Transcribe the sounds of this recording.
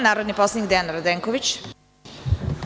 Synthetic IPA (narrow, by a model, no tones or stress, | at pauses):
naːɾod̪niposlˠenɲik̚d̪eanɾod̪eːŋkoʋit͡ɕ